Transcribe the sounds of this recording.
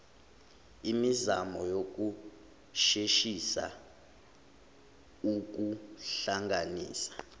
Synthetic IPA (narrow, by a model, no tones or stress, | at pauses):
imizamɔjok̬ʼu | ʃeʃisa̰ | uk̬uɬaŋʱanḭːsḁ